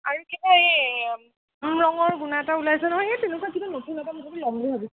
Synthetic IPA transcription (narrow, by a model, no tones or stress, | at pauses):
aɹukibaej | mɹɔŋɔɹɡunaɛtaulajsɛnɔɦɔjatenɛkuakibanɔtunɛtamukɔbɔlɔmliɦabisɛ